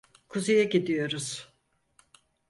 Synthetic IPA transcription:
kʰuzejaɟid̪ijo̞ɾuz̥

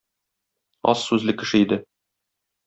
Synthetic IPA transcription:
ɒ̰sːʉzlɘkɘ̆ʃɘid̪ɘ

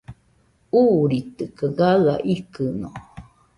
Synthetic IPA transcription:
uɾit̪ɨkaɡala̰ʔikɨno

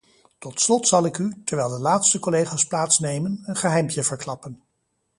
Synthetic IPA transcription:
tɔtslɔtsɑlˠɪkytɛɹʋɛjlˠdəlaːtstəkɔlejχaːsplaːtsnejmənənχəɦɛjmpjəvəɹklɑpən

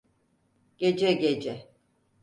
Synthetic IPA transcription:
ɟ̥ed͡ʒɛɟed͡ʒɛ

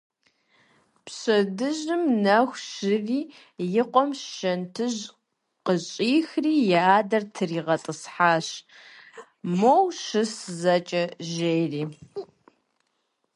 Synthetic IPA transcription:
pɕɐdɨʑɨmnɐxʷʃɪriː | jɪqʷʼɔmʃɐntʰɨʑ | qəɕʼiːxriːjaaːdɐrtʰɨriːʁɐtʼɨsħaːɕ | mowʃɨszɐt͡ʃʼɐʒeːjriː

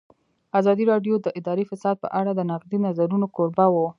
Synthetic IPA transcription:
azɑd̪iɾɑɖjod̪əʔɪd̪ɑɾifasɑd̪̚pə̰ʔaɽad̪ənaqd̪inazaɾunokoɾbawo

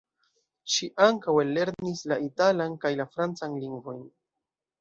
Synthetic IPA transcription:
ʃiʔaŋkawelːe̞ɾnislaitalankajlafɾant͡sanliŋɡvojn

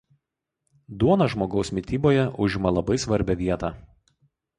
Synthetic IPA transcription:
d̪uɔnɐʒmoːɡɒʊsmʲɪt̪ʲiːboːjɛʔʊʒʲɪmɐlˠɐbɐɪsʋɐɾʲbʲɛʋʲiɛt̪ɑː

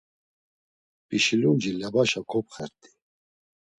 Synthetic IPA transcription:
pʼiʃilund͡ʒiljabaʃakʰɔpχɛɾt̪ʼi̥

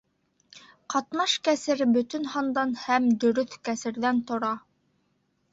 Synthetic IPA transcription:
qɑt̪nɑʃkæsɘɾbɵ̆t̪ɵnhɑnd̪ɑnhæmd̪ɵ̆ɾɵθkæsɘ̆ɾðænt̪ŏɾɑ

